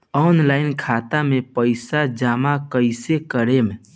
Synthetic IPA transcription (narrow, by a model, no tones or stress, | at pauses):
ɔːnlaːɪnkʰat̪amepəɪsad͡ʒaːmakəɪsekəɾeme